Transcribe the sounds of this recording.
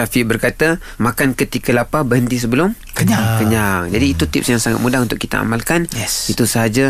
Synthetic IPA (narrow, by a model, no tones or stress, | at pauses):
safiʔbərkat̪a | makankət̪ikalapabəɦənt̪is̬əbəlʊm | kəɲakəɲaŋd͡ʒadiːt̪ut̪ɪp̚sjaŋsaŋat̪̚mudahunt̪ʊkːit̪a̰a̰malkanɛit̪usəɦad͡ʒa